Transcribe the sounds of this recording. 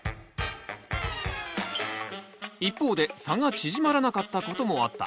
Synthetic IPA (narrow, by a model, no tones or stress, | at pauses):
ipːo̞ːd̪e̞saŋat͡ɕiʑimaɾanakat̪ːako̞t̪o̞mo̞at̪ːa̰